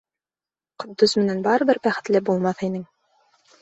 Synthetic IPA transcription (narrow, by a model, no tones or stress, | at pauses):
qŏd̪ːozmɘ̆nænbɑɾɤ̆βɘɾbæχɘ̆t̪lɘbulˠmɑθinɘŋ